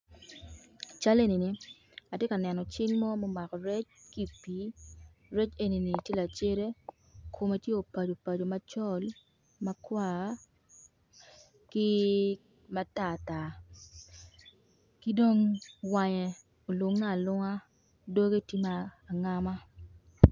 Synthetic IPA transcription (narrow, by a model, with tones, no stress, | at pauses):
t͡ʃa˦le˦ni˨ni˨ | a˨tje˦ka˨nɛ˨nɔ˨t͡ʃɪ˦ŋmɔ˦mɔ˦ma˨kɔ˨ɾɛ˦t͡ʃki˦pi˨˦ | ɾɛ˦t͡ʃe˦ni˨ni˨te˦la˨t͡ʃe˦ɾe˦ | kʰo˨ma˦tje˦o˨pa˨d͡ʒo˨pa˨d͡ʒo˨ma˦t͡ʃɔ˦l | ma˦kwa˦˨˦ | ki˦ | ma˦ta˦˨ta˨ | ki˦do˦ŋwa˨ɲɛ˨ | o˨lʊ˨ŋːa˦˨lʊ˦ŋa˦ | do˦ɡe˦ti˦maː˦˨ŋa˦ma˦